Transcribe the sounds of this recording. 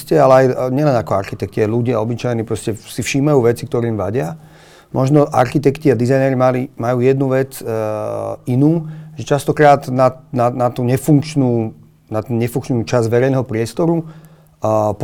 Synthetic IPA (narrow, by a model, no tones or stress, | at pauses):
scɛalɛajɲɛlɛnakɔa̰ɾxit̪ɛkciajluɟɪaɔbit͡ʃajniːpɾɔscɛsifʃiːmajuːʋɛt͡sikt̪ɔɾɛimʋaɟɪa | mʔɔʒnɔʔa̰ɾxit̪ɛkt̪iad̪izajnɛːɾimalimajuːjɛd̪nuʋɛt͡s | inuːʒɛt͡ʃast̪ɔkɾaːd̪nananat̪uɲɛfuŋkt͡ʃnuː | nat̪ɛnɲɛfuŋkt͡ʃnuːt͡ʃazʋɛɾɛjnɛɦɔpɾɪɛst̪ɔɾu | p